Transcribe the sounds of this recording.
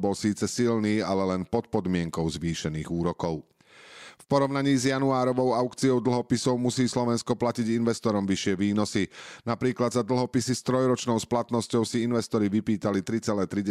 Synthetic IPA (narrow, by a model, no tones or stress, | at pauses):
bɔlsiːt͡sɛsilniːalɛlɛnpɔt̪pɔd̪mɪɛŋkɔʊzʋiːʃɛniːɣuːɾɔkɔʊ | fpɔɾɔʊnaɲiːzjanuaːɾɔʋɔʊaʊkt͡sijɔʊd̪l̩ˠɦɔpisɔʊmusiːslɔʋɛnskɔplaciɟinʋɛst̪ɔɾɔmʋiʃɪɛʋiːnɔsinapɾiːklad̪zad̪l̩ˠɦɔpisist̪ɾɔjɾɔt͡ʃnɔʊsplat̪nɔscɔʊsiinʋɛst̪ɔɾiʋipiːt̪alit̪ɾit͡sɛlɛːt̪ɾi